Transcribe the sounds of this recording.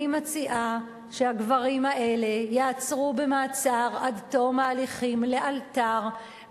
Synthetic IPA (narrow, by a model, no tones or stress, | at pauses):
imat͡siʔa | ʃehaɡvaʁimhaʔe̞le̞jaat͡sʁube̞maːt͡saʁad̪t̪o̞maːliχimle̞ʔalt̪aʁ